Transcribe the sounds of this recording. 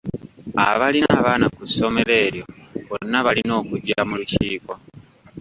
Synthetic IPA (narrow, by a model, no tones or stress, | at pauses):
a̰βalinaβaːnakusːo̞me̞le̞ːɾjo̞βonːaβalino̞ːkuɟːamuluciːkwo